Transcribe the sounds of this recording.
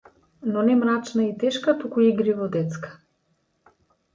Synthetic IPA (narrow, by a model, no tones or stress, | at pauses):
nonɛmɾat͡ʃnait̪ɛʃkapokoiɡɾivod̪ɛt̪skə̥